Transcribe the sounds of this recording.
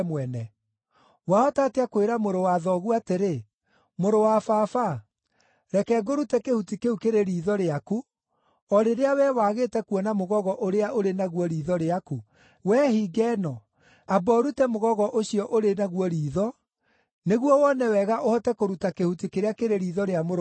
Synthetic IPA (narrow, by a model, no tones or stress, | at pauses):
mwɛnɛ | waɔtateakoeɾamoɾowaðɔɣuateɾe | moɾowafaːfa | ɾɛkɛːɡoɾutɛkehutikeukeɾeɾiːðɔɾeaku | ɔɾeɾeawɛwaɣetɛkuɔnamoɣɔɣɔʔoɾeaʔoɾenaɣwɔɾiːðɔɾeaku | wɛhiɡɛːnɔ | abɔɾutɛmoɣɔɣɔʔoɕiɔʔoɾenaɣwɔɾiːðɔ | neɣwɔwɔnɛwɛɣaʔohɔtɛkoɾutakehutikeɾeakeɾeɾiːðɔɾeamoɾ